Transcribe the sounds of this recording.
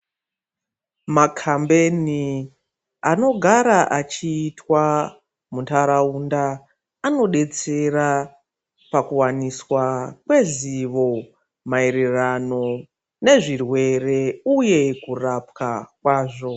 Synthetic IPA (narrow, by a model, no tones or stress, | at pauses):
makʰambe̞ni | ano̞ɡʱaɾaʔat͡ʃiːtwa | muntaɾaundaː | no̞ɗe̞t͡se̞ra | pakuwaniswakwe̞ziʋo̞ | maiɾirano̞ | ne̞ʐirwe̞re̞uje̞kurap̚kakwaːʐo̞